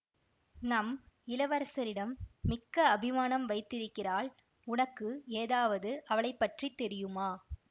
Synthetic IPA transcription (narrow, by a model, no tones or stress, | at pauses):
nɐmɪlɐʋɐɾɐsɐɾɪɽɐmːɪkːɐːbʱɪmaːnɐmʋɐɪt̪ːɪɾɯkːɪraːɭ | ʊnɐkːɯeːðaːʋɐðɯʔɐʋɐɭɐɪpːɐʈrit̪ːɛɾɪjɯmaː